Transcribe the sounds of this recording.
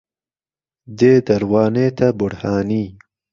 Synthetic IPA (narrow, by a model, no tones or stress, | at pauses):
d̪ed̪aɾwɑːnet̪abʊɽhɑːni